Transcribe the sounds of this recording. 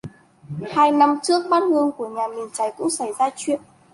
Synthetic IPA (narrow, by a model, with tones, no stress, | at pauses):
haː˧jna˧mt͡ɕɨ˦˥ək̚ɓaː˧˥nhɨ˧əŋku˧˩əɲaː˨˩mi˨˩ənt͡ɕa˨˧˩jkʊ̰˧˥ŋ͡msa˧˩jzaː˧t͡ɕwḭ˧˨ənʔ